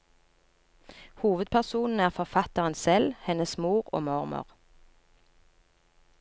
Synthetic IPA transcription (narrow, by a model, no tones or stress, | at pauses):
huːʋəd̪̚pʰæʁsuːnn̩æːʁfɔʁfɑt̪əʁənsɛlhɛnəsmuːʁo̰ːmʊʁmʊ̰ʁ